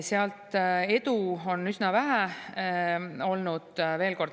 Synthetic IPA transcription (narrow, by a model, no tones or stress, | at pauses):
seɑlt̪e̞d̪uo̞nysnɑvæɦæ | o̞lnud̪̥ve̞ːlko̞rd̪